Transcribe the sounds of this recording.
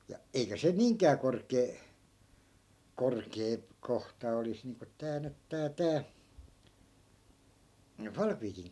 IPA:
jɑ eikæ se niːŋkˑæː korkˑeː korkeː kohtɑ olis niːŋko tæː nyt tæː tæː fɑlkʋiːkiŋ

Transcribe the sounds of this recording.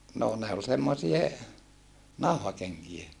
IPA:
noː ne ol semːosie nɑu̞hɑkeŋkie

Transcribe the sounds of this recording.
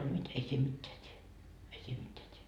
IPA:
old̥ mit ei siːm mitːeæ tʲie ei siːm mitːeæ tʲie

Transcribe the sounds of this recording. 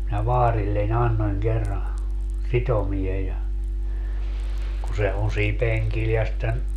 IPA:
minæ ʋɑːrilːenʲ ɑnːonʲ kerːɑ sitomie jɑ ku se on̞ siːm peŋkil jɑ sĭtːen

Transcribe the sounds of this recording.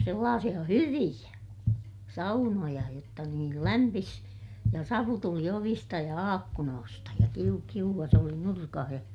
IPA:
selːɑːsij̆ɑ hyʋij̆æ sɑunojɑ jotːɑ niːl læmpis jɑ sɑʋu tuli oʋistɑ jɑ ɑːkːunoːstɑ jɑ kiu kiuʋːɑs oli nurkɑh jɑ

